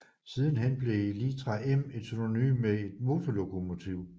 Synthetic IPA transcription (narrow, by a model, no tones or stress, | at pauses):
siːð̞ˠn̩ɦenb̥le̝lit͡sʰʁɑeme̝d̥synony̰ːmːee̝d̥mo̝ːt͡sʰolo̝kʰo̝mo̝t͡sʰiʊ̰